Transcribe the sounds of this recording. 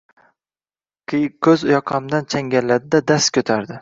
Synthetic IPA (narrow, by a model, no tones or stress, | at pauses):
kʲʰːɵzʊjɒqʰɑmd̪ant͡ʃʰaŋɡʲallːad̪ɪd̪ad̪ast̪kʲʰɵt̪ʰaɾd̪ɪ